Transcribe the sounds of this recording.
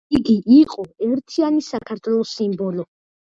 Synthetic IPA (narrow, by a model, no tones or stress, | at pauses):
iɡiʔiqʼɔɛɾt̪ʰianisakʰaɾt̪ʰwɛlˠɔsimbɔlɔ